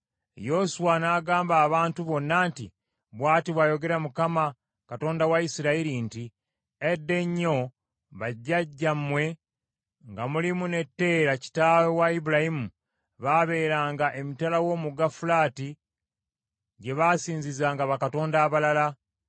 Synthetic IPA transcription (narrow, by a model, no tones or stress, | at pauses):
jo̞suwanaːɡaːmbaːβaːntuβo̞nːaːntḭ | βwaːtiβwaːjo̞ɡe̞ɾamukama | kato̞ːndawaisiɾaiɾinti | edːe̞ɲːo̞ | βaɟːaɟːamwe̞ | ŋɡamulimune̞tːe̞ːɾaci̥taːwowaibuɾahimu | βaβe̞ːɾaːŋɡaʔe̞mitalawo̞ːmuɡafulaːti | ɟe̞βasiːɲzizaːŋɡaβakato̞ːndaːβalala